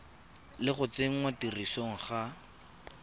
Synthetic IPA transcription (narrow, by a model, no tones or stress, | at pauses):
lɪχʊt͡seŋ̩watirisoŋ̩χa